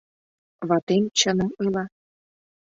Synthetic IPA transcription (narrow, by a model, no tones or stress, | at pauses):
βɑt̪emt͡ɕə̆nɤ̆mɯlɑ